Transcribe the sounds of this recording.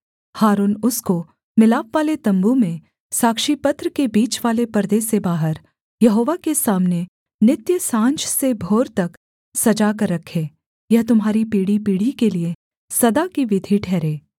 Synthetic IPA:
haːɾuːnʊsko | mɪlaːpʋaːlet̪ɐ̃mbumẽ | saːkʃipɐt̪ɾəkebiːt͡ʃʋaːlepəɾd̪eːsebaːɦəɾ | jɐɦoːʋakesaːmne | nɪt̪jəsãːnt͡ʃsebʱoːɾt̪ɐk | sɐd͡ʒakɐɾːɐkʰːeː | jɐɦt̪ʊmɦaːɾipiːɽipiːɽ̤ikelie | sɐd̪akiʋɪd̪ʱiʈʰɛːɾeː

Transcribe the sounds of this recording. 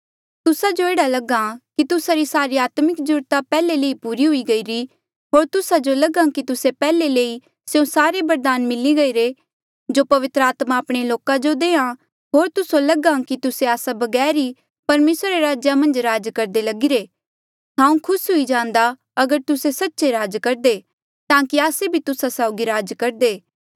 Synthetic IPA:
t̪ʊsad͡ʒoeːɽalɐɡãkit̪ʊsaɾisaːɾiaːt̪mɪkd͡ʒʊɾt̪apɛːleleːipuːɾiɦʊiɡɐiɾi | ɦoːɾt̪ʊsad͡ʒolɐɡãkit̪ʊsepɛːleleːi | sjõsaːɾebɐɾd̪aːnmɪliɡɐiɾe | d͡ʒopɐʋɪt̪ɾəaːt̪maːpɽ̃eloːkãd͡ʒod̪eːã | ɦoːɾt̪ʊsolɐɡãkit̪ʊseaːsabɐɡɛːɾi | pɐɾmeːsɾɾeɾaːd͡ʒjamɐ̃nd͡ʒɾaːd͡ʒkɐɾd̪elɐɡiɾeː | ɦãːũkʰʊsɦʊid͡ʒãːnd̪a | ɐɡəɾt̪ʊsesɐtːʃeɾaːd͡ʒkɐɾd̪e | t̪ãːkiaːsebʱit̪ʊsasaːʊɡiɾaːd͡ʒkɐɾd̪eː

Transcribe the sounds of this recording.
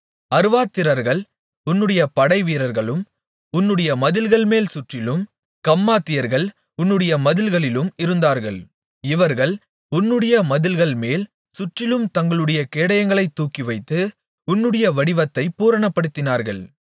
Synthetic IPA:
ɐɾɯʋaːt̪ːɪɾɐɾɣɐɭ | ʊnːɯɽɐjɐpɐɽɐɪʋiːɾɐɾɣɐɭɯm | ʊnːɯɽɐjɐmɐðɪlɣɐɭmeːlsʊʈrɪlɯm | kɐmːaːt̪ːɪjɐɾɣɐɭ | ʊnːɯɽɐjɐmɐðɪlɣɐɭɪlɯmɪɾɯnd̪aːɾɣɐɭ | ɪʋɐɾɣɐɭ | ʊnːɯɽɐjɐmɐðɪlɣɐɭmeːl | sʊʈrɪlɯmt̪ɐŋɡɐɭɯɽɐjɐkeːɽɐjɐŋɡɐɭɐɪt̪ːuːkːɪʋɐɪt̪ːɯ | ʊnːɯɽɐjɐʋɐɽɪʋɐt̪ːɐɪpːuːɾɐɳɐpːɐɽɯt̪ːɪnaːɾɣɐɭ

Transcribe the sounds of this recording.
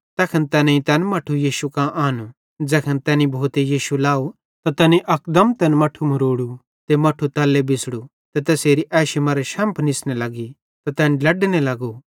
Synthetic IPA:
t̪ɛːkʰənt̪ɛːnẽĩt̪ɛːnmɐʈʰujiːʃukãʔaːnu | d͡ʒɛːkʰənt̪ɛːnĩbʱoːt̪ejiːʃulaːu | t̪at̪ɛːnĩʔɐkd̪ɐmt̪ɛːnmɐʈʰumɐɾoːɽu | t̪emɐʈʰut̪ɐlːebɪsɽu | t̪et̪ɛːseːɾiʔɛːʃimɐɾeʃɐ̃ːmpʰnɪsnelɐɡi | t̪at̪ɛːnlɐɖnelɐɡu

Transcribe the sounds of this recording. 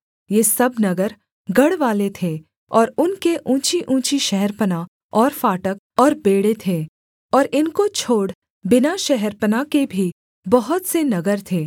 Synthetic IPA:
jeːsɐbnɐɡəɾ | ɡɐɽʋaːlet̪ʰe | ɔːɾʊnkeʔũːt͡ʃiʔũːt͡ʃiʃɛɦɛɾpəna | ɔːɾfaːʈək̚ | ɔːɾbeːɽet̪ʰeː | ɔːɾɪnkot͡ʃʰoːɽ | bɪnaʃɛɦɛɾpənakebʱi | bɐɦʊt̪senɐɡəɾt̪ʰeː

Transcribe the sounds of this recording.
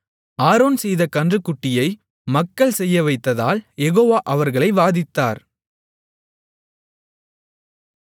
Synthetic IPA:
aːɾoːnsɛjðɐkɐndrɯkːʊʈːɪjɐɪ | mɐkːɐɭsɛjːɐʋɐɪt̪ːɐða̰ːljɛɣoːʋaːʔɐʋɐɾɣɐɭɐɪʋaːðɪt̪ːa̰ːɾ

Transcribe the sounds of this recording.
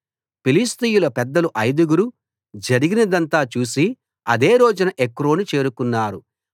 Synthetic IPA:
pilist̪ijuloːpɛd̪ːɐluʔɐjd̪uɡuɾu | d͡ʒɐɾiɡinɐd̪ɐnt̪aːt͡ʃuːsi | ɐ̰d̪e̞ːɾo̞ːd͡ʒunɐʔekːɾo̞ːnut͡ʃe̞ːɾukunːaːɾu

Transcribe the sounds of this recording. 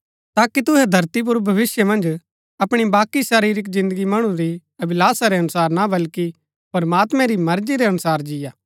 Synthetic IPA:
t̪aːkit̪ʊɦɛd̪ʱɐɾt̪ip̬ʊɾbʱɐʋɪsjəmɐ̃nd͡ʒ | ɐpɽ̃ibaːkisaːɾiːɾɪk̬zɪ̃nd̪əɡimɐɽ̃ũɾi | ɐbɪlaːsaɾeɐnʊsaːɾnabɐlki | pɐɾmaːt̪mɛ̃ɾimɐɾd͡ʒiɾeɐnʊsaːɾd͡ʒɪjaː

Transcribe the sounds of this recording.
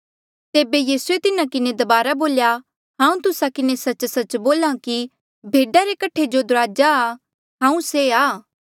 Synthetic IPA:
t̪eːbejiːsuet̪ɪnãkɪned̪ɐbaːɾaboːlja | ɦãːũt̪ʊsakɪnesɐt͡ʃsɐt͡ʃboːlãki | bʱeːɖaɾekɐʈʰed͡ʒod̪ʊɾaːd͡ʒaː | ɦãːũseaː

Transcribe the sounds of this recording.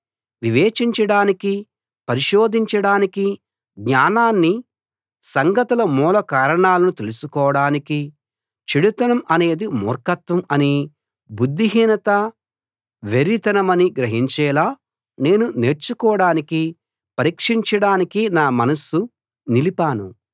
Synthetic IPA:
ʋiʋeːt͡ʃiɲt͡ʃɐɽaːniki | pɐɾiʃoːd̪ʱiɲt͡ʃɐɽaːniki | ɡɲaːnaːnːi | sɐŋɡɐt̪ulɐmuːlɐkaːɾɐɳaːlɐnut̪e̞lusukɔːʋɐɽaːniki | t͡ʃiɽit̪ɐnɐmɐne̞ːd̪imɔ̰ːɾkɐt̪ʋɐmɐni | bud̪ːiɦiːnɐt̪ɐ | ʋeɾit̪ɐnɐmɐniɡɾɐɦiɲt͡ʃɛːlaː | ne̞ːnune̞ːɾt͡ʃukɔːʋɐɽaːniki | pɐɾiːkʂiɲt͡ʃɐɽaːnikinaːmɐnɐsːu | nilipaːnu

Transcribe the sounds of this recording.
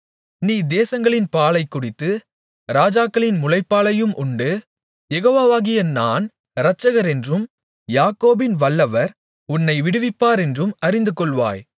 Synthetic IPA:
niːd̪eːsɐŋɡɐɭɪnpaːlɐɪkːʊɽɪt̪ːɯ | ɾaːd͡ʒaːkːɐɭɪnmʊlɐɪpːaːɭɐjɯmʔʊɳɖɯ | jɛɣoːʋaːʋaːɣɪjɐnaːn | ɾɐt͡ʃːɐɣɐɾɛndrɯm | jaːkːoːbɪnʋɐɭːɐʋɐɾ | ʊnːɐɪʋɪɽɯʋɪpːaːɾɛndrɯmɐɾɪnd̪ɯkɔɭʋa̰ːj

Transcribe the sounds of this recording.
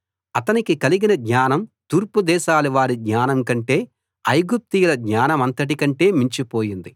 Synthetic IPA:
ɐt̪ɐnikikɐliɡinɐd̪ɲaːnɐmt̪uːɾpud̪ɛːʃaːluʋaːɾidɲaːnɐmkɐɳʈe̞ː | ɐjɡup̚t̪ijulɐd̪ɲaːnɐmɐnt̪ɐʈ̬ikɐɳʈe̞ːmiɲt͡ʃipo̞ːjind̪i

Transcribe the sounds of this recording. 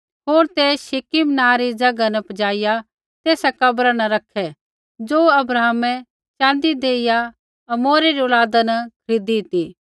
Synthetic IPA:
ɦoːɾt̪ɛʃɪkimnãːɾid͡ʒɐɡanɐpɐd͡ʒaːɪja | t̪eːsakɐbɾanɐɾɐkʰɛ | d͡ʒoːɐbɾaːɦmɛ̃ | t͡ʃãːnd̪id̪eːɪja | ɐmoːɾeɾiʊlaːd̪anɐkʰɐɾɪd̪iɦt̪i

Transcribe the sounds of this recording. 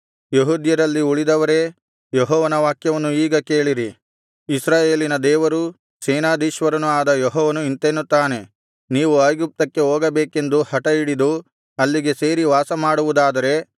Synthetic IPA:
jeɦud̪jɐɾɐlːiuɭid̪ɐʋɐɾe̞ | jeɦɔːʋɐnɐʋaːkjɐʋɐnːuiːɡɐke̞ːɭiɾi | isɾaːje̞ːlinɐd̪ɛːʋɐɾu | seːnaːd̪iːʃʋɐɾɐnuaːd̪ɐjɔɦɔːʋɐnuint̪enːut̪ːaːne̞ | niːʋuaːjɡup̚t̪ɐkːe̞oːɡɐbeːke̞nd̪uhɐʈɐiɽid̪u | ɐlːiɡe̞se̞ːɾiʋaːsɐmaːɽuʋud̪aːd̪ɐɾe̞

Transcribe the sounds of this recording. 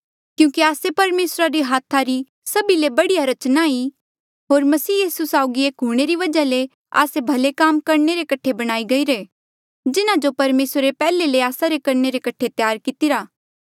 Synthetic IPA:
kjũːkiaːsepɐɾmeːsɾaɾiɦaːt̪ʰaɾi | sɐbilebɐɽijaɾɐt͡ʃnai | ɦoːɾmɐsiːjiːsusaːʊɡieːkɦuɽ̃eɾiʋɐd͡ʒale | a̰ːsebʱɐlekaːmkɐɾneɾekɐʈʰebɐɽ̃aːiɡɐiɾeː | d͡ʒɪnãd͡ʒopɐɾmeːsɾɾepɛːleleaːsaɾekɐɾneɾekɐʈʰet̪jaːɾkɪt̪iɾaː

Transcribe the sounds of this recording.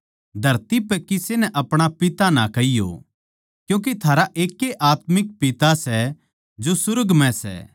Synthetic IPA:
d̪ʱɐɾt̪ipɛkɪsenɛʔɐpɽ̃apɪt̪ana̰kɐijo̰ | kjũːk̬et̪ʰaːɾaʔeːkːeʔaːt̪mɪk̚pɪt̪asɛ | d͡ʒosʊɾəɡmɛ̃sɛ̰

